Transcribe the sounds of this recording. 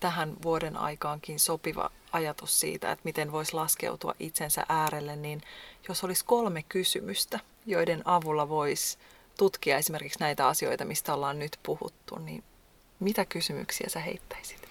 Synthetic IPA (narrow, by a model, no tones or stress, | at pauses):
t̪æɦænʋuodenɑ̰jkɑːŋkinsopiʋɑ̰ | ɑjɑt̪ussḭːt̪æ̰ḛt̪mit̪enʋo̞islɑske̞̰ut̪uɑ̰ʔit̪sensæ̰ʔæːɾelːenninjosolisko̞lmekkysymyst̪æ | jo̞idenʔɑʋulːɑʋo̞is | t̪ut̪kiɑe̞simerkiksnæit̪æɑsio̞̰it̪ɑmist̪æolːɑːnnyt̪puhṵt̪ːṵnnḭn | mit̪ækysymy̰ksiæ̰sæhe̞̰it̪ːæ̥isi̥t̪